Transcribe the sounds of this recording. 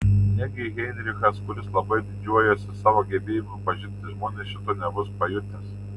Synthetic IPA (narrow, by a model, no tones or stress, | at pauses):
nʲɛɡʲɪɣʲɛɪnʲɾʲɪxɐskʊlʲɪslˠɐbɐɪd̪ʲɪd͡ʒʲuɔjoːsʲɪsɑːʋoːɡʲɛbʲeːjɪmʊpɐʒʲɪnʲt̪ʲɪʒmoːnʲɛsʃʲɪt̪oːnʲɛbʊspɐjʊt̪ʲnʲes